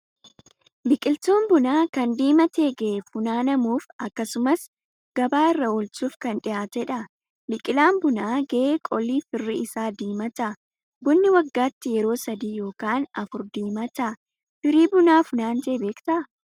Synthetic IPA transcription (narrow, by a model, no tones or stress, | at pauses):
bɪkʼɪlt̪oːmbʊnaːkɐnd̪iːmɐt̪eːɡeːfʊnaːnɐmuːfɐkːɐsʊmɐs | ɡ̥ɐbaːɪrːɐolt͡ʃuːfkɐnᶑɪjaːt̪ɛᶑɐ | bɪkʼɪlaːmbʊnaːɡeekʼɔlːiːfɪrːɪɪsaːd̪iːmɐt̪ɐ | bʊnːɪwɐɡːaːt̪ːɪjɛɾo̞ːsɐd̪iːjo̞ːkaːnɐfʊɾd̪iːmɐt̪ɐ | fɪɾiːbʊnaːfʊnaːnd͡ʒeːbe̞ːkt̪ɐ